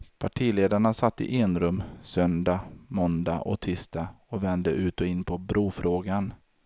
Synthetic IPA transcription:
pʰaʈʰiːleːd̪aɳasat̪ːɪ̰ʔeːnɾɵmsœnd̪amɔnd̪a̰ʔɔ̰t̪ʰɪst̪a | ɔvɛnd̪əʔʉ̟ːt̪ɔɪnːpʰɔbɾuːfɾoːɡan

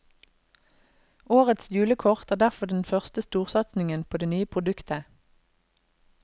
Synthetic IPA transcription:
oːʁət̪sjʉːləkʰɔʁt̪æːd̪æʁfɔʁd̪ɛn̩fœʁst̪əst̪uːʁsɑt̪snɪŋənpʰoːd̪eːnyːəpʰʁʊd̪ʉkt̪ʰə

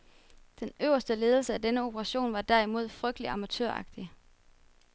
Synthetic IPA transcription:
d̥enøʊ̰ɐsd̥əle̝ːð̞ˠl̩səæd̥enəo̝pʰəʁɑ̈ɕo̝̰ːnʋɑ̈d̥æɐ̰imo̝ð̰ˠfʁœɡ̥d̥əliɑ̈mæt͡sʰø̰ɐɑ̈ɡ̥̚d̥i

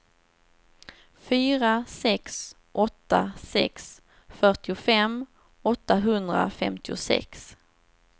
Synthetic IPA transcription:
fyːɾasɛks | ʔɔt̪ːa̰sɛks | fœʈɪʊfɛm | ɔt̪ːaɦɵnd̪ɾa̰fɛ̰mt̪ɪʊsɛ̰ks

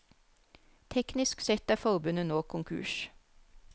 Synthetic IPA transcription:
t̪ʰɛknɪsksɛt̪æːfɔʁbʉnənoːkʰʊŋkʰʉ̰ːʃ

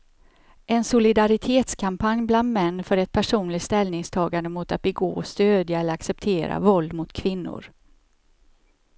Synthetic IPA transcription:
ʔɛnsʊlɪd̪aɾɪt̪ʰeːt̪skʰampʰanjbland̪mɛnːfœɾɛt̪̚pʰæʂuːnlɪt̪st̪ɛlnɪŋst̪ʰɑːɡand̪əmʊt̪at̪̚bɛɡo̰ːɔst̪øːd̪jaɛlːəɾaksɛp̚t̪ʰeːɾa̰vɔld̪mʊt̪kʰvɪnːʊ̰ɾ

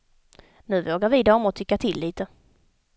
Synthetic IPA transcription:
nʉ̟ːvoːɡaɾvid̪aɔmɔt̪ʰʏkːat̪ʰɪlːiːt̪ə

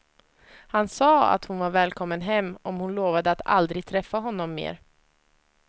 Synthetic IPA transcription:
hansɑːa̰t̪hʊnvaɾvɛːlkʰɔmːənɦɛmːɔmhʊnloːvad̪əat̪a̰ld̪ɾɪɡ̚t̪ʰɾɛfːaɦɔnːɔmːḛːɾ

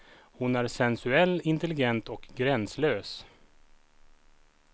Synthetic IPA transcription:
hʊnæɾsɛnsɵɛlːɪnt̪ɛlɪɡɛnt̪ɔkɡɾɛnsløːs

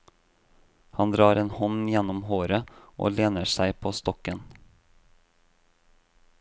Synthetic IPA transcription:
hɑnd̪ɾɑːɾeːnhɔnjɛnɔmhoːɾəʔo̰ːleːnəsæɪpʰoːst̪ɔkən

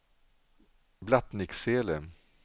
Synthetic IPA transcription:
blat̪nɪkseːlə

